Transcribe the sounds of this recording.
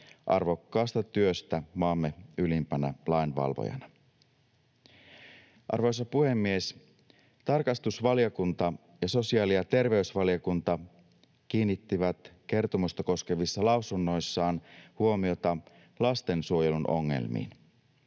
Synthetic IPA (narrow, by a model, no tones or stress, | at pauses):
ʔɑrʋo̞kːɑːst̪ɑt̪yøst̪æmɑːmːe̞ylimpænælɑinʋɑ̰lʋo̰jɑ̰nɑ | ʔɑ̰rʋo̞js̬ɑpuhe̞mːies | t̪ɑrkɑst̪usʋɑljokunt̪ɑ | jɑso̞siɑːliɑt̪e̞rʋe̞ysʋɑlijokunt̪ɑ | k̟iːnːit̪ːiʋæt̪ke̞rt̪o̞must̪ɑko̞ske̞ʋisːɑlɑwsunːo̞jsːɑːnhuo̞mio̞t̪ɑ | lɑst̪e̞nsuo̞jelunʔo̞̰ŋːḛlmḭːn